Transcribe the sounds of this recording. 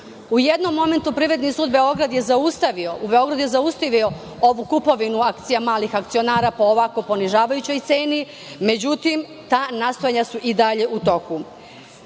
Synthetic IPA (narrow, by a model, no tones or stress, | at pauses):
uje̞d̪no̞mːo̞me̞nt̪upɾiːʋɾe̞d̪nisuːd̪be̞o̞ɡɾad̪je̞zaust̪aʋio̞ʔube̞o̞ɡɾad̪ujezaust̪aʋio̞ | o̞ʋukupo̞ʋinuakt̪sijamaːlixakt̪sio̞naːɾaːpo̞ːʋako̞po̞niʒaːʋajut͡ɕo̞jt̪seːni | me̞d͡ʑut̪im | t̪aːnast̪o̞jaɲasuʔid̪aʎe̞ʔut̪o̞ku